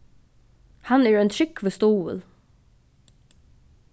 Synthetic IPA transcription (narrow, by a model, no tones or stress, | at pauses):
hɑnæːɹɛːnt̪ʰɹɪkʋəst̪uːə̰l